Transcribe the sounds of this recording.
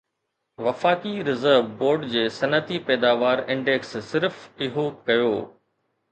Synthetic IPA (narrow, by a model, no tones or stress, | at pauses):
ʋɐfaːkiɾɪzəɾʋboːɾɖd͡ʑeːsɐnət̪ipɛːd̪aːʋaːɾɪ̃ɳɖeːksːɪɾfɪɦokɐjoː